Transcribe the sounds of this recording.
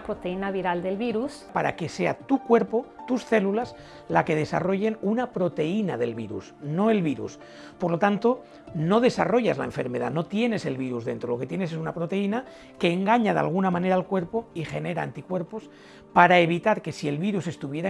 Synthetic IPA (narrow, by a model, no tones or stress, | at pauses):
pɾot̪einaβiɾald̪e̞lβiɾus | paɾa̰ke̞se̞a̰t̪ukwe̞ɾpot̪usθe̞lulaz | lake̞ð̞e̞sa̰ro̞ʝe̞nunapɾo̞t̪e̞inaðe̞̰lβiɾṵsno̞e̞lβiɾṵs | po̞ɾlot̪ant̪o̞ | no̞ðe̞saro̞ʝazla̰e̞ɱfe̞ɾme̞ð̞a̰no̞t̪je̞ne̞se̞lβiɾuzðe̞nt̪ɾo̞lo̞ke̞t̪je̞nes̬unapɾot̪e̞ina | ke̞ːŋɡaɲaða̰lɣ̞unamãne̞ɾaːlkwe̞ɾpoixe̞ne̞ɾaa̰nt̪ikwe̞ɾpo̞s | paɾae̞β̞it̪aɾke̞sie̞lβiɾusest̪uβje̞ɾa